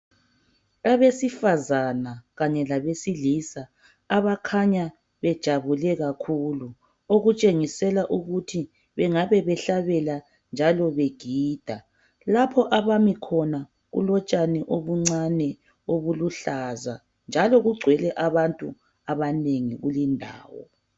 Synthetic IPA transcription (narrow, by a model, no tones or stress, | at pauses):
aβesifazanaɣaɲɛlaβesilisaː | βakʰaɲa | βɛd̥ʒ̥ʱaβulɛɣakʰulu | oɣut͡ʃʼeŋisɛlaʔuɣutʰi | βɛŋaβɛβɛɬaβɛla | nd͡ʒʱalɔβeɡ̥ʱiːd̥ʱa | lapʰɔʔaβamikʰɔna | ɣṵlɔt͡ʃʼanɛʔoβuŋ͡ǀanɛ | oβuluɬaza̰ | nd͡ʒʱalɔɣuɡ͡ǀʱwɛlɛʔaβantʼṵ | aβaneŋiɣulindʱa̰ːwɔ̰